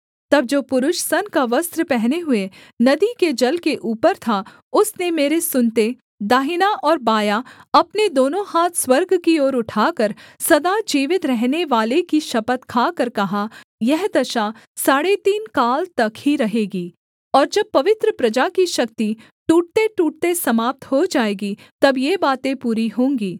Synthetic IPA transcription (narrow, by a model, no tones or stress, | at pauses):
t̪ɐb̚d͡ʒoːpʊɾʊʃsɐnkaʋɐst̪ɾəpɛɦneɦʊe | nɐd̪iked͡ʒɐlkeʔuːpəɾt̪ʰa | ʊsnemeːɾesʊnt̪e | d̪aːɦɪnaʔɔːɾbaːjaɐpned̪oːnõhaːt̪ʰswɐɾɡkioːɾʊʈʰaːkəɾsɐd̪ad͡ʒiːʋɪt̪ɾɛɦneʋaːlekiʃɐpət̪kʰaːkɐɾkɐɦajɛɦd̪ɐʃa | saːɽet̪iːnkaːlt̪ɐkhiɾɐɦeːɡiː | ɔːɾd͡ʒɐb̚pɐʋɪt̪ɾəpɾɐd͡ʒakiʃɐk̚t̪i | ʈuːʈ̚t̪eʈuːʈ̚t̪esɐmaːp̚t̪ɦod͡ʒaːeːɡi | t̪ɐbjebaːt̪ẽpuːɾiɦõːŋɡiː